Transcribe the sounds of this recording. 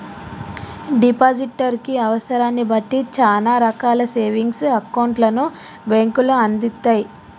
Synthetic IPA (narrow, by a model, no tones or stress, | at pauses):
ɖipaːd͡ʒiʈːɐɾkiɐʋɐsɐɾaːnːibɐʈːit͡ʃaːnaːɾɐkaːlɐse̞ːʋiŋɡsɐkɐwɳʈlɐnu | beŋkuloɐnd̪it̪ːaːji